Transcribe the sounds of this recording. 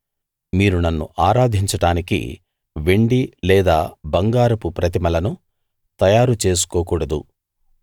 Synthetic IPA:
miːɾunɐnːṵʔaːɾaːd̪ʱiɲt͡ʃɐʈaːnikḭ | ʋe̞ɳɖilɛːd̪aːbɐŋɡaːɾɐpupɾɐt̪̬imɐlɐnu | t̪ɐjaːɾut͡ʃe̞ːs̬u̥koːkuːɽɐd̪ṵ

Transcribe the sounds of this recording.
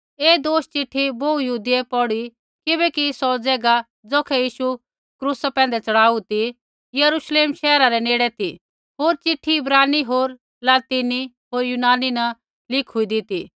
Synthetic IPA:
eːd̪oːʃt͡ʃɪʈʰːiboujɐɦuːd̪iɛpɔɽi | kɪbɛkisɔd͡zɛːɡa | d͡zɔːkʰɛjiːʃu | kɾuːsapɛ̃ːn̆d̪ɛt͡sɐɽaːut̪i | jɐɾuʃleːmʃɛːɾaɾɛneːɽɛt̪ʰḭ | ɦoːɾt͡ʃɪʈʰːiɪbɾaːniɦoːɾ | laːt̪iːni | ɦoːɾjunaːninɐ | lɪkʰʊid̪ɪt̪i

